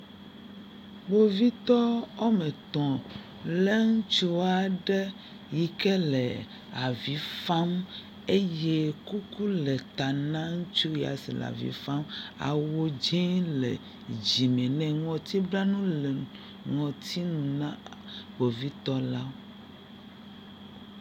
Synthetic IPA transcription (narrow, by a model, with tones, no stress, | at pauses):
ɡ͡bo˨vi˦t̪ɔ˦ɔ˦mɛ̃˨t̪ɔ̃˨ | lɛ˦ŋũ˦t͡ʃu˦a˨ɖɛ˦ | ji˨kɛ˦lɛ˨ | a˨vi˨˦fa˦m | e˦je˦ku˦ku˦lɛ˨t̪a˨nã˦ŋũ˦t͡ʃu˦ja̰˨sḭ˨l̰a̰˨vḭ˨˦fa˦ma̰˨wo˦d͡ʒĩ˦lḛ˨ | d͡ʑi˨mɛ̃˨nɛ̃˨ŋɔ̃˨t̪i˦bla˦nũ˦lɛ˨ | ŋɔ̃˨t̪ʰi˦nũ˨nã˦˨bo˨vi˦t̪ɔ˦la˦o˦